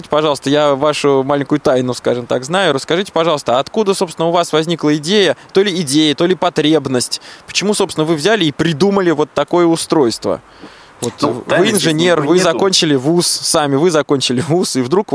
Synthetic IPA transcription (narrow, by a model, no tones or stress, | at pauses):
ɨtʲɪ̥pɐʐɑlˠəst̪əjavaʂʊmalʲɪŋʲkʊjʊt̪ajnʊskaʐɨmt̪a̰kznajʊɾəskɐʐɨtʲɪ̥pɐʐɑlˠst̪əaːt̪kud̪əso̞psʲɪnəʊvasvɐzʲnʲiklˠəɪdʲejət̪o̞lʲɪɪdʲejət̪olʲɪpɐt̪ɾʲebnəsʲtʲpə̥t͡ɕɪmuso̞psʲɪnəvɨvzʲælʲɪːpɾʲɪd̪uməlʲɪvo̞t̪ːɐko̞jəʊst̪ɾo̞jst̪və̰ | vo̞t̪vɨɪnʐɨnʲe̞rvɨzɐko̞nʲt͡ɕɪlʲɪvussamʲɪvɨzɐkonʲt͡ɕɪlʲɪvusɨvd̪ɾuk